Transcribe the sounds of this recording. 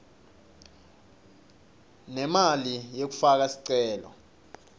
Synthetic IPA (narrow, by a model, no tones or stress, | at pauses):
nɛmalijek̬u̥fak̬asi̥ǀɛːlɔ̰